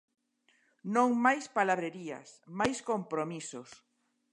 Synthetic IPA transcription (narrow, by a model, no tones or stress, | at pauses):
nõŋmajspalaβɾeɾia̰smajskompɾomisos